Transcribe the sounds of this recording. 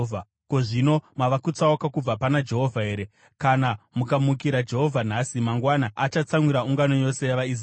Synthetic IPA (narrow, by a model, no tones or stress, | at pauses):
a | ko̞ʐinomaʋakut͡saokakub͡vapanad͡ʒe̞ɦo̞vʱaɦe̞ːɾe | kanamukamuk̬iɾad͡ʒe̞ɦo̞vʱan̤asimaŋɡwanaʔːt͡ʃat͡samwiɾauŋɡano̞jo̞se̞jaʋaiz